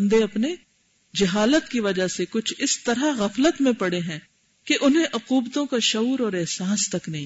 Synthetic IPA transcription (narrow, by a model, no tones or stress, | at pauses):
nd̪eɐpne | d͡ʒɐɦaːlət̪kiʋɐd͡ʒasekʊt͡ʃʰɪst̪ɐɾaɣɐflət̪mẽpɐɽeɦɛ̃ | keʔʊnɦẽʔʊquːbt̪õkaʃɐuːɾɔːɾɛɦsaːst̪ɐknɐɦĩː